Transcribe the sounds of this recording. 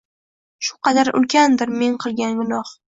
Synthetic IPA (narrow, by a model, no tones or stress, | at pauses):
ʃʊ̥qɑd̪aɾʊ̰lˠkʲʰand̪ɪɾme̞ŋqʰɨlˠɡʲanɡʊnɒh